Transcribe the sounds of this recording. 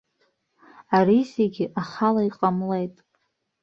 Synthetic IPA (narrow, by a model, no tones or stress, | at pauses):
arizeɡʲɪʔaχalaiqʼamle̞jtʼ